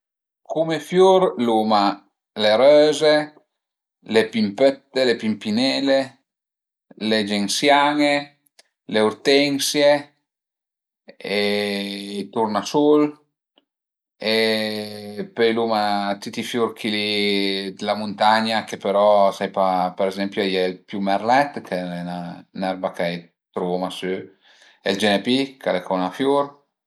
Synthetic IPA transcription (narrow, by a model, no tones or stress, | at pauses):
kumefjuɾluma | leɾøːze | lepimpøt̪ːelepimpinɛːle | led͡ʒeŋsjaŋe | leuɾt̪ɛŋsje | e | t̪uɾnasul | e | pøjlumat̪it̪ifjuɾkʰilid̪elamunt̪aɲakepeɾɔsajpapeɾezɛmpjoɛjɛlpjumɛrlɛt̪kʰeenanɛɾbakɛj | t̪ɾumasø | ḛld͡ʒenepikalekɔnafjuɾ